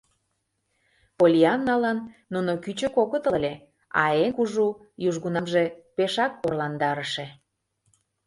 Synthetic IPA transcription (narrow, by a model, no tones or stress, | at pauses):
polʲiɑnːɑlənːunokyt͡ɕə̆kokət̪əlʲe | ɑ̰enkuʒu | juʒɣunɑmʒepeʃɑk̚porlɑnd̪ɑɾəʃe